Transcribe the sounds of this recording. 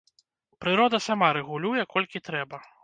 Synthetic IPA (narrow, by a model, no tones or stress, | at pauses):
pɾɨɾɔd̪ɐsamaɾɛɣulʲujɛkɔlʲkʲit̪ɾɛbɐ